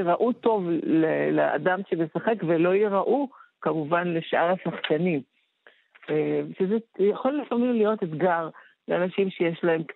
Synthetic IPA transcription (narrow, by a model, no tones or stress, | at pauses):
ʁaʔuto̞vlelaa̰damʃemesaχe̞kvelo̞jiʁaʔukamuvanle̞ʃʔaʁasaχkanim | eʃezejaχo̞lːifamimlijo̞ted̪ɡaʁ | leanaʃimʃejeʃlae̞mk